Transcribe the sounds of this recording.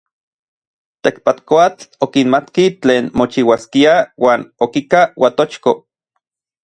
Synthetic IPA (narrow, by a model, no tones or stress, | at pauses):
t̪ekpat̪koat͡ɬokinmat̪kit͡ɬeːnmot͡ʃiwaskiawaːnokikawat̪ot͡ʃko